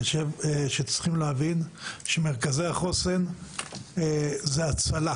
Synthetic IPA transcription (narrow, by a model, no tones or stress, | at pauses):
ʃevʃet͡sχimleavinʃemeʁkazeaχo̞se̞n | zeat͡sala